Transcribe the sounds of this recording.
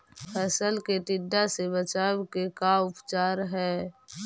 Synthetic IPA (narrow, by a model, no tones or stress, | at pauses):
pʰɛːsəlkeʈɪɖːasebət͡ʃaːwkekaʊpt͡ʃaːɾɦɛː